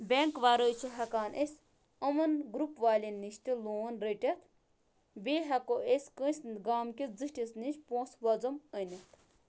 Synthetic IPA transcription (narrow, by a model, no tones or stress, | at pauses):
bʲeŋkʋaːɾəːt͡ʃʰiɦɐkaːnʔesʲ | ɐmɐnɡɾupʋaːlʲinːiʃt̪iloːnɾeʈʲet̪ | beːɦɐkoesʲkə̃nsʲnɡaːmkʲid͡zɨʈʲisnit͡ʃpõːsʋɐd͡zɐmənɐt̪ʰ